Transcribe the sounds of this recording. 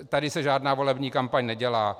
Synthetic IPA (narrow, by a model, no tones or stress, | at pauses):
t̪adɪsɛʒaːdnaːvo̞lɛbɲiːkampaɲnɛɟɛlaː